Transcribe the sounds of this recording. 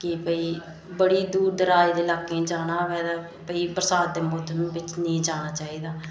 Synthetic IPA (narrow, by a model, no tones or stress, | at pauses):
kɪpəiː | bəɽiːd̪uːɾd̪əɾaːiːd̪eːlaːkːẽːd͡ʒaːnaːʋɛːd̪aː | pəiːpəɾəsaːd̪̚d̪eːmoːd̪ʰʱnũːbɪt͡ʃnĩːd͡ʒaːnaːt͡ʃaːiːd̪aː